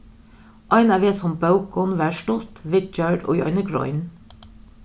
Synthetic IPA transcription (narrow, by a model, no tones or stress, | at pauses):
ʔɑɪnæʋeːsɔmbɑʊkɔnʋæːʃʈʊt̪ʋɪt͡ʃœɖo̰ːjɑ̰ɪnəɡɹɔ̰ʏn